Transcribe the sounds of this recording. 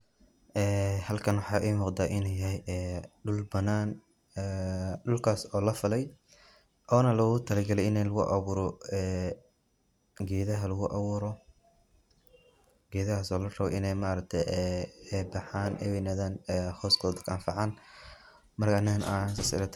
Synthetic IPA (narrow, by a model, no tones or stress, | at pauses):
ʔɛːhɐlkʰɐnwɑħɑːʔɛːmʊːqd̪aːʔɪnɛjɐhɛjʔɛːɖʊlbɐnaːn | ɛːɖʊlkʰaːsɔːlɐfɐlɛj | ʔɔːnɐlɐɣʊt̪ʰɐlɐɡɐlɛjɪnɛlɐɣʊʔɑ̰wuːɾɔɛː | ɡɛːðɐɦɐlɐɣʊʔɑwʊːɾɔ | ɡɛːðɐhaːsɔːlɐrɐβɛʔɪnɛjmaːɾɐk̚t̪ʰɛjɛɛbɑħaːnʔɛ̰wɛnaːðaːnɛhɔːskʰɔːðɐkʰa̰nfɑʕɑːn | mɐrɡaʕnɐnʔa̰nsɐsɪ̰ɾɐt̪ʰ